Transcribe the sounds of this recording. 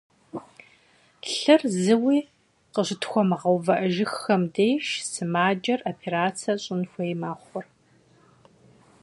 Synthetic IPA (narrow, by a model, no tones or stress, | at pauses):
ɬɨrzɨwiː | qəɕɪtxʷɔmʁɐwvɐʔɐʒɪxːɐmdejʃsɨmaːd͡ʒɐrʔopʰeɾaːt͡sʰɐɕʼɪnxʷɐjmaːχʷɔr